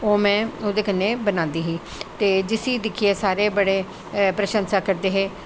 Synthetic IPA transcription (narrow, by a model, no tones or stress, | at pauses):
oːmɛ̃ːoːd̪eːkənːeːbənãːnd̪iːɦiː | t̪eːd͡ʒɪsiːd̪ɪkʰieːsaːɾeːbəɽeː | pɾəʃə̃nsaːkəɾd̪eːɦeː